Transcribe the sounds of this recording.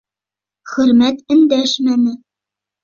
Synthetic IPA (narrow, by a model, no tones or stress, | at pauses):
χɵ̆ɾmæt̪ɘ̆nd̪æʃmænɘ̆